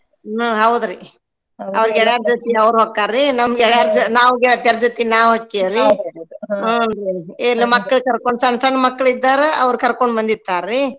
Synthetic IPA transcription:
ɦɐwd̪ɾi | ɐʋɐɾɡɛɭaːɾd͡ʒɐt̪iɐʋɾɦoːkːaɾːinɐmɐɡɛɭaɾd͡ʒnaːʋuɡɛɭt̪ɛɾd͡ʒɐt̪inaːʋoːkːeɾi | ɾielːimɐkːɐɭkɐɾkoɳɖsɐɳsɐɳːmɐkːɐɭid̪ːaːɾeɐʋɾkɐɾkoɳɖbɐnd̪it̪ːaːɾːi

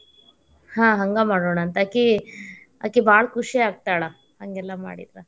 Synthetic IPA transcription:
hãːɦɐŋɡamaːɽoːɳɐnt̪aːki | a̰ːkibʱaːɭɐkʰuʂiaːɡ̚t̪ajɭɐ | hɐŋɡɛlːɐma̰ːɽḭd̪ɾɐ

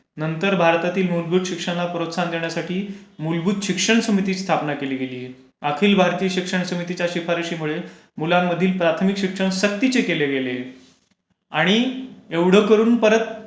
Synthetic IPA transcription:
nənt̪əɾbʱaɾt̪at̪iːlmulbʱud̪ɕikʂəɳlapɾot̪sand̪eɳjasaʈʰiːmulbʱuːd̪ɕikʂəɳsəmit̪iːst̪ʰapnakeliːɡeliːe | akʰiːlbʱaɾt̪iːəɕikʂəɳsəmit̪it͡ɕjaɕifaɾɕiːmuɭe | mulamːəd̪ʱiːlpɾat̪ʰəmikɕikʂəɳɕək̚t̪it͡ɕekeleɡele | aɽ̃ieʋɽ̤əkəɾuːnpəɾət̪̚

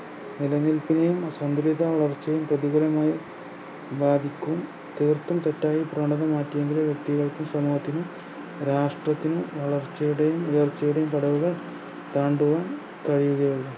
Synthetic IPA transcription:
nilɐɲːilpinejumsɐnd̪ɐliðɐʋɐɭɐrt͡ɕːɐjumprɐðiɡɐɾɐmaːji | baːd̪ʱikʲːum | t̪irt̪ːumt̪etːaːjiprɐːɳɖɐðɐmaːtːijeŋɡilumʋjek̚t̪iɣɐɭkːumsɐmuːɦɐt̪ːinum | ɾaːʂʈrɐt̪ːinumʋɐɭɐrt͡ɕːɐjuɽejumujɐrt͡ɕːɐjuɽejumpɐɽɐʋuɣɐɭ | t̪aːɳɖuʋaːn | kɐɻijuɣɐʋeɭum

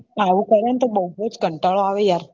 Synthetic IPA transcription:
aʋukəɾənt̪əbəwbʱət͡sɡʱəɳʈaɭɔaʋejaɾ

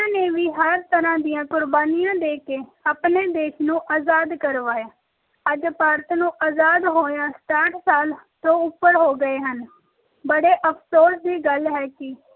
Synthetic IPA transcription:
aːneːʋiːɦəɾt̪əɾãːd̪ɪjãːkʊɾbaːnɪjãːd̪eːkeːaːpneːd̪eːʃnũːʔaːzaːd̪kəɾʋaːjaː | əd͡ʒpaːɾt̪nũːʔaːzaːd̪ɦoːjãːsʈ̪aːʈʰsaːlt̪õːʊpːəɾɦoːɡəeːɦən | bəɽeːʔəpʰsoːsd̪iːɡəlɦɛːkɪ

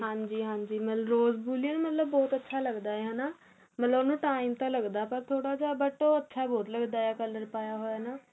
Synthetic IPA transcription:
ɦãːɲd͡ʒiːɦãːɲd͡ʒiːmət̪ləɾoːzbuːlienũːmət̪ləbːɔːt̪ətːʃʰaːləɡd̪aːeɦaːnaː | mət̪ləbnũːʈaːɪmt̪ãːləɡd̪aːpəɾt̪ʰoːɽaːd͡ʒaːbəʈoːətːʃʰaːbɔːt̪ləɡd̪aːaːkələɾpaːjaːɦoːaːnaː

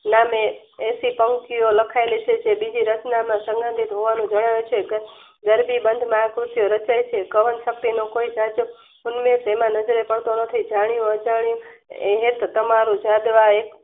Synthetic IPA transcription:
name | esipəŋkioləkʰaelet͡ʃʰet͡ʃʰebid͡ʒiɾət͡ʃnamãsə̃ŋɡə̃nd̪ʱit̪ɦoʋanũd͡ʒəɽ̃aʋet͡ʃʰeɡə | ɡəɾbibənd̪ʱmaakɾut̪ijoɾət͡ʃajt͡ʃʰekəʋənʃək̚t̪inokoid͡ʒad͡ʒə | ʊnmesemãnəd͡ʒəɾepəɽt̪onət̪ʰid͡ʒaɽ̃jũəd͡ʒaɽ̃jũeɦet̪ʰt̪əmaɾũd͡ʒad̪ʋaek

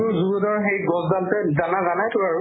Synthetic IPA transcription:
ʊzuɡɔdɔɹxejɡɔzdaltɛzanazanajtʊaɹʊ

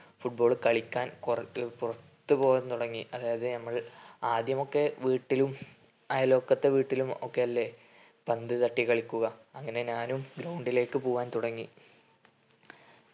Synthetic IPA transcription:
fuʈ̚bo̞ːɭkɐɭikʲːaːnrpurɐt̪ːɨpo̞ːjaːnt̪uɽɐŋːiʔɐðaːjɐðɨnɐmːɐɭaːd̪jɐmo̞kːe̞ʋiːʈːilum | ɐjɐlo̞ːkːɐt̪ːeʋiːʈːilumo̞̰kːe̞jɐlːe | pɐnd̪ɨt̪ɐʈːikɐɭikʲːuɣɐɐŋːɐne̞ɲaːnumɡɾɐwɳɖile̞ːkːɨpoːʋaːnt̪uɽɐŋːi

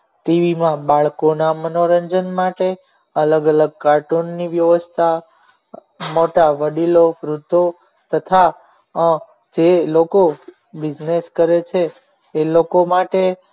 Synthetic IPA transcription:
ʈiʋimãbaɭkonamənoɾəɲd͡ʒənmaʈe | ələɡələɡ̚kaɾʈunːiʋjəʋəst̪ʰa | moʈaʋəɖilofɾut̪o | t̪ət̪ʰa | d͡ʒeloko | bɪd͡ʒneskəɾet͡ʃʰeː | lokomaʈe

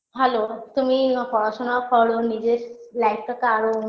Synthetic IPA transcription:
ɦɛlot̪umikɔɾaʃonakɔɽonid͡ʑeɾlajpʰʈʰakaɾo

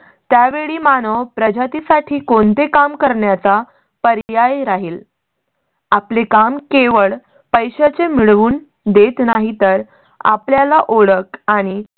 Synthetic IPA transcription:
t̪jaʋeɭiːmanəʋpɾəd͡ʑat̪isaʈʰiːkont̪ekamkəɾɳjat͡sa | pəɾjajɾaɦiːl | aplekamkeʋəɭ | pəjɕat͡semiɭʋuːn | d̪et̪naɦit̪əɾ | a̰pljalaʔoɽəkaɽ̃i

